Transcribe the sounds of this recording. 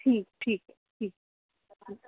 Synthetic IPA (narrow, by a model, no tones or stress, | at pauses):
ʈʰiːk̚ʈʰiːkɦɛ | ʈʰiːk̚